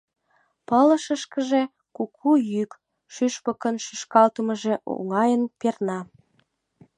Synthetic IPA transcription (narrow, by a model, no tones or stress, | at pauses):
pələʃəʃkəʒe | kukʰujyk | ʃyʃpə̆kənʃyʃkɑlt̪əməʒeʔo̰ŋɑjənpernɑ